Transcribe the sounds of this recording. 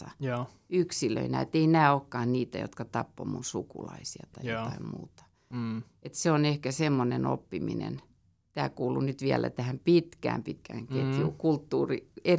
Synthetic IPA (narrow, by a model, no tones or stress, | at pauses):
ɑ | yksilø̰inæet̪einæːokːɑːnniːt̪æjo̰t̪kɑt̪ɑpːo̰munsukṵlɑisiɑt̪ɑijjot̪ɑimmṵːt̪ɑ̥ | et̪seonehkæsemːoneno̰pːiminḛn | t̪æ̰ːkuːlunyt̪ʋiælæ̰t̪æhæmpit̪kæ̰ːmpit̪kæŋket̪juːkult̪ːuːrie